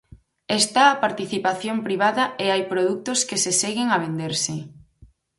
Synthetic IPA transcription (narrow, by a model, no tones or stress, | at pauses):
est̪aːpaɾt̪iθipaθjompɾiβ̞aðɐeajpɾoðuk̚t̪ʊskeseseɣɪŋaβ̞end̪eɾsɪ